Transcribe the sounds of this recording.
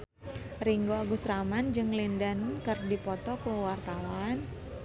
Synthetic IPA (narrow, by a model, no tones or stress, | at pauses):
riŋɡoaɡusɾamand͡ʒɨŋlindankɨrdipɔt̪ɔkəwart̪awan